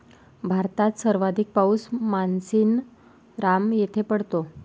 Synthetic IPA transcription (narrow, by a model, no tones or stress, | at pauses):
bʱaɾt̪at̪səɾʋad̪ʱik̚pausmansiːn | ɾamjet̪ʰepəɽ̤t̪o